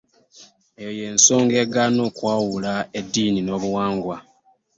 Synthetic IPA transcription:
ejoje̞ːnso̞ːŋɡe̞ɡanoːkwaːwulaedːiːnino̞ːβuwaːŋɡwa

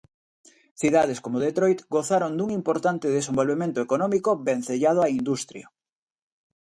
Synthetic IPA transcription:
θiðaðeskomoðet̪ɾojt̪ɡoθaɾond̪uŋimpoɾt̪ant̪eðesẽmbolβemẽnt̪oekonɔ̃mikoβen̟θeʎað̞oaind̪ust̪ɾja̰

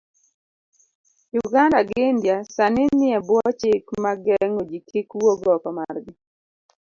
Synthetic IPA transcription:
jʊɡandaɡɪndjasanɪnɪɛbwɔt͡ʃɪkmaɡɛŋod͡ʒikikwoɡɔkamarɡɪ

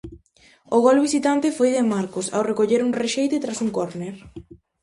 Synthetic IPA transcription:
oɣolβisit̪ant̪efojðɪmaɾkosa̰wrekoʎeɾuŋreʃejt̪et̪ɾasuŋkoɾneɾ

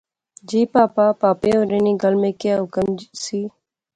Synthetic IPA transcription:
d͡ʒiːpaːpaːpaːpeːoːɾeːniːɡəlmẽːkɪjaːɦʊkəmsiː

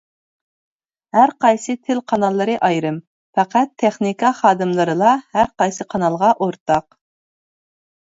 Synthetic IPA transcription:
hæɾqɑjsɨt̪ʰɪlqʰɑnɑlˠːɨɾɨʔɑjɾɨm | fɛqæt̪ʰːɛχnikɑχɑːd̪ɨmlˠɨɾɨlˠɑhæɾqɑjsɨqʰɑnɑlˠʁɑʔoɾt̪ɑq

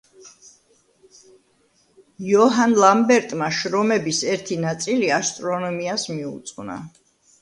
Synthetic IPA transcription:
jɔɦanlˠambɛɾt̪ʼmaʃɾɔmɛbisɛɾt̪ʰinat̪sʼiliast̪ʼɾɔnɔmiasmiṵt̪sʼna̰

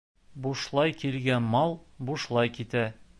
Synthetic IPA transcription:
buʃlˠɑjkilɡænmɑlˠbuʃlˠɑjkit̪æ

